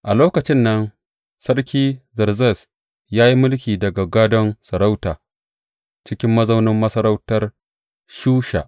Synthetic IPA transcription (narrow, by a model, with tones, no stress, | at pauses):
ʔa˨loː˦kɐ˨t͡ʃɪ˦nːɐ˦n | sɐ˦rkʲiː˦zɐ˨rzɛ˦˨s | jaː˦ji˦mʊ˦lkʲiː˨dɐ˨ɡa˨ɡaː˦dɔ˦nsɐ˨ɾa˦wtaː˨ | t͡ʃɪ˦kʲɪ˦mːɐ˦zɐ˦wnɪ˦mːɐ˦sɐ˦ɾa˦wtɐ˦r | ʃuː˦ʃa̰˨ʔ